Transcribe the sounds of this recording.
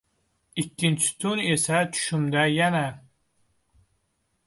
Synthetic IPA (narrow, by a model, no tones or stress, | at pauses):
ikʲːint͡ʃʰɪ̥t̪ʰunesat͡ʃʰu̥ʃymd̪ajana